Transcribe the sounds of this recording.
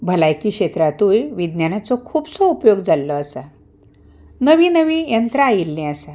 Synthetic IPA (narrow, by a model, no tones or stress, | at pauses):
bʱəlajkiːkɕet̪ɾat̪uːlʋid̪njanat͡sɔkʰuːbsɔupjoɡd͡zalːɔasa | nəʋiːnəʋiːjənt̪ɾəajilːɛ̃əsa